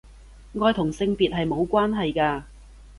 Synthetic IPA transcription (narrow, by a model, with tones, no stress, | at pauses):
ŋɔː˧jt̪ʰʊ˨˩ŋsɪ˧ŋpiː˨t̚ɦɐ˨jmo˨˧wkʷaː˥nɦɐ˨jkaː˧